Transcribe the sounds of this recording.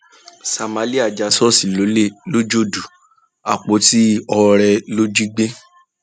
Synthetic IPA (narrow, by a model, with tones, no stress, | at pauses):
sa˨ma˨˦li˦a˨d͡ʒa˨˦sɔ˦si˨lo˨˦le˦˨lo˦d͡ʒo˦˨du˨ | a̰˨k͡po˨˦ti˦ɔ˧ɾɛ˧lo˦d͡ʒi˦ɡ͡be˦